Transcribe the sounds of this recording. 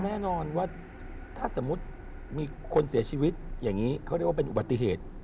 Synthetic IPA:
nɛː˥˩nɔː˧nwaː˥˩ | t̪ʰaː˥˩so˩˦mːu˦˥t̪̚ | miː˧kʰo˧nsi˨˩˦ɐt͡ɕʰiː˧wi˦˥t̪̚jaː˨˩ŋːiː˦˥kʰa˦˥ɾ̚waː˥˧pe˧nʔu˨˩ba˨˩t̪ːi˨˩ɦeː˨˩t̪̚

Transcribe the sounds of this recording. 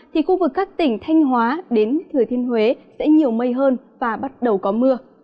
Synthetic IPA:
t̪ʰi˨˩xu˧vɨ˨˩kːaː˦˥k̚t̪ï˧˩ŋ̟t̪ʰa˧jŋ̟ɦwaː˨˦ɗe˨˦nt̪ʰɨ˨˩ət̪ʰi˧ənhwe˨˦sɛ̰˧˥ɲi˨˩əwmə˧jɦəː˧n | vaː˨˩ɓa˦˥t̚ɗə˨˩wkɔ˨˦mɨ˧ə

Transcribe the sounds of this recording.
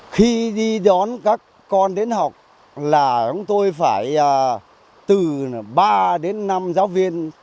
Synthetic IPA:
xi˧ɗi˧ɗɔ˨˦nkaː˦˥kːɔ˧nɗe˨˦nɦa˨˩wk͡p̚ | laː˨˩t͡ɕɔ˨˦wŋ͡mt̪o˧jfaː˧˩jəː˨˩ | t̪ɨ˨˩ɓaː˧ɗe˨˦nːa˧mzaː˨˦wvi˧ən

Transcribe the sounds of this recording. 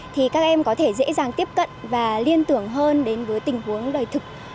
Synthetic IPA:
t̪ʰi˨˩kaː˦˥k̚ʔɛ˧mkɔ˨˦t̪ʰe˧˩zḛ˧˥zaː˨˩ŋt̪i˦˥əp̚kə̰˧˨nvaː˨˩li˧ənt̪ɨ˧˩əŋɦəː˧nɗe˨˦nvəː˨˦jt̪ï˨˩ŋ̟hu˨˦ənɗəː˨˩jt̪ʰɨ˨˩k̚

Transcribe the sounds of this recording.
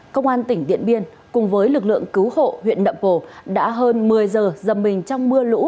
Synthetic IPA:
kə˧wŋ͡mʔaː˧nt̪ï˧˩ŋ̟ɗḭ˧˨ənɓi˧ən | kʊ˨˩ŋ͡mvəː˨˦jlɨ˨˩k̚lɨ̰˧˨əŋkɨ˨˦who̰˧˨hwḭ˧˨ənɗə̰˧˨mpo˧˩ɗa̰ː˧˥ɦəː˧nmɨ˨˩əjzəː˨˩zə˨˩mːï˨˩ŋ̟t͡ɕɔ˧wŋ͡mmɨ˧əlṵ˧˥

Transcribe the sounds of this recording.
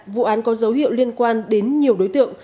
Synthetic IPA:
vṵ˧˨ʔaː˨˦nkɔ˨˦zə˨˦wɦḭ˧˨wli˧ənkwaː˧nɗe˨˦nɲi˨˩əwɗo˨˦jt̪ɨ̰˧˨əŋ

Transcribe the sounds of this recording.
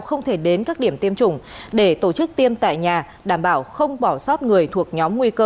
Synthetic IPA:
wxə˧wŋ͡mt̪ʰe˧˩ɗe˨˦nkaː˦˥k̚ɗi˧˩əmt̪i˧əmt͡ɕʊ˨˧˩ŋ͡mɗe˧˩t̪o˧˩t͡ɕɨ˦˥k̚t̪i˧əmt̪a̰ː˧˨jɲaː˨˩ | ɗaː˧˩mɓaː˧˩wxə˧wŋ͡mɓɔ˧˩sɔ˦˥t̚ŋɨ˨˩əjt̪ʰu˨˩ək̚ɲɔ˨˦mŋwi˧kəː˧

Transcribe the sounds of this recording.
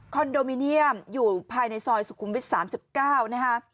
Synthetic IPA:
kʰɔ˧ndoː˧miː˧ni˥˩əmjuː˨˩pʰaː˧jna˧jsɔː˧jsu˨˩kʰu˧˦mwi˦˥t̪̚saː˩˦msi˨˩p̚kaː˥˩wna˦˥kʰa˦˥ʔ

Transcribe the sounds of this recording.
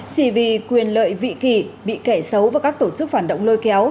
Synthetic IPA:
t͡ɕi˧˩vi˧˨kwi˨˩ənlə̰ː˧˨jvḭ˧˨ki˧˩ɓḭ˧˨ka˧˩jsə˨˦wvaː˨˩kaː˦˥k̚t̪o˧˩t͡ɕɨ˦˥k̚faː˧˩n̚ɗə̰˧˨wŋ͡mlo˧jkɛ˨˦w

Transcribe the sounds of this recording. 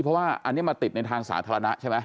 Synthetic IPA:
pʰɾɔ˦˥waː˥˩ʔa̰˧nːi˦˥˩ma˧nt̪i˨˩t̪̚na˧jt̪ʰaː˧ŋsa̰ː˩˦t̪ʰaː˧ɾa˧na˦˥t͡ɕʰa˥˩jma˦˥

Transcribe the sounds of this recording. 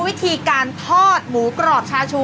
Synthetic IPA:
wi˦˥t̪ʰiː˧kaː˧nt̪ʰɔː˥˩t̪̚muː˩˦kɾɔː˨˩p̚t͡ɕʰaː˧t͡ɕʰuː˧

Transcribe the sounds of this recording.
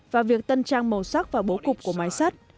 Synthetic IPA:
vaː˨˩vi˨˩ək̚t̪ə˧nt͡ɕaː˧ŋmə˨˩wsa˦˥k̚vaː˨˩ɓo˨˦kʊ˨˩k͡p̚ku˧˩əmaː˨˦jsa˦˥t̚

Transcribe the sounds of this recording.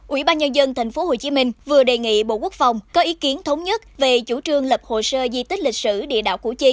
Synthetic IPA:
ʔwi˧˩ɓaː˧nɲə˧nzə˧nt̪ʰa˨˩jŋ̟fo˨˦ho˨˩t͡ɕi˨˦mï˧ŋ̟vɨ˨˩əɗe˨˩ŋḭ˧˨ɓo̰˧˨ku˦˥ək̚fa˨˩wŋ͡mkɔ˨˦ʔi˨˦ki˨˦ənt̪ʰə˨˦wŋ͡mɲə˦˥t̚ve˨˩t͡ɕu˧˩t͡ɕɨ˧˩əŋlə˨˩p̚ho̰˧˨˩səː˧zi˧t̪i˦˥k̟̚li˨˩k̚sɨ̰˧˩ɗḭ˧˨əɗa̰ː˧˨wkṵ˧˩t͡ɕi˧

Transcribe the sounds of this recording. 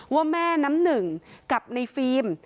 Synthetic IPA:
wɔ˧mɛː˥˩na˦˥mnɯ˨˩ŋka˨˩p̚na˧jfiː˧m

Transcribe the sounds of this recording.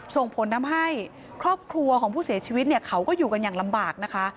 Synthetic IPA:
so˨˩ŋpʰo˩˦nːa˦˥mɦa˥˩j | kʰɾɔː˥˩p̚kʰɾu˧ɐkʰɔː˩˦ŋpʰuː˥˩si˨˩˦t͡ɕʰiː˧wi˦t̪̚ni˥˩ɐkʰa˦˥wkɔː˥˩juː˨˩ka˧njaː˨˩ŋla˧mbaː˨˩k̚na˦˥kʰa˦˥ʔ

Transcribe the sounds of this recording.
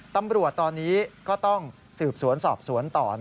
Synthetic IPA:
t̪a˧mɾu˨˩ət̪ːɔː˧nːiː˦˥kɔː˥˩t̪ɔ˥˩ŋ | sɯː˨˩p̚su˩˦ənsɔ̰ː˨˩p̚su˩˦ənt̪ɔ̰ː˨˩

